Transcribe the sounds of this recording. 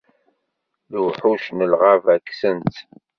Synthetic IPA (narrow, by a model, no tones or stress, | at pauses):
luħuʃnəlʁavækːsənt̪